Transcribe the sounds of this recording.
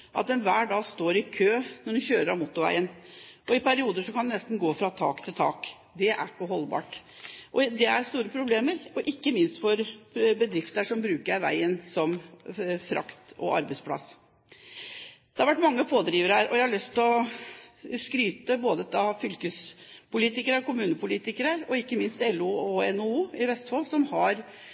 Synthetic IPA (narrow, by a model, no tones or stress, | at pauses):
ʔɑ̰t̪̚d̪ɛnʋæːɖɑːɡst̪oːɾɪkʰøːnɔɖɛnçøːɾəɾɑʋmʊt̪ːʊɾʋæ̰ɪənʔɔɪpæɾɪuːd̪əʂɔkʰɑnd̪ɛnɛst̪n̩ɡoːfɾɑt̪ʰɑ̰ːkt̪ʰɪlt̪ʰɑ̰ːk | d̪ɛʔæ̰ɾkːəɦɔlːbɑ̰ːʈ | ʔɔd̪ɛæɾst̪uːɾəpʰɾʊbleːməɾɔʔɪkːəmɪnst̪fɔɾbəd̪ɾɪft̪əəʂɔmbɾʉːkəɾæʋæ̰ɪənsɔm | fɾʔɑ̰kt̪ɔ̰ʔɑ̰ɾbəɪspʰlɑ̰s | d̪̥ɛhɑɾʋæʈːmɑŋːəpoːd̪ɾiːʋəɾəhæːɾʔɔjæɪhɑɭœst̪ʰɪlɔ | skɾyːt̪əboːd̪ət̪ɑfʏlkəspʊliːt̪ɪkəɾəkʊmʉːnəpʰʊliːt̪ɪkəɾəɾɔɪkːəmɪnst̪ɛlːuɔɛnʊuːɪʋɛst̪fɑlsɔmhɑɾ